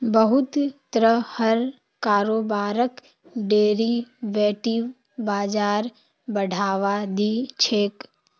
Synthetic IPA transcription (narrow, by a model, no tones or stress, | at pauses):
bəɦʊt̪t̪ɾəhəɾ | kaːɾoːbaːɾək | ɖeːɾiʋeːʈiʋ | baːd͡ʒaːɾ | bəɽ̤ʱaːʋad̪it͡ʃʰeːk